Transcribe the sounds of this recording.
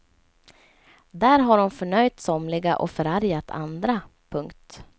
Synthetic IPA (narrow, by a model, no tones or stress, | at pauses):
d̪æːɾɦaɾʊmfœɳœjt̪sɔmlɪɡaʔɔ̰fœɾaɾjat̪ʰa̰nd̪ɾa | pʰɵŋkt̪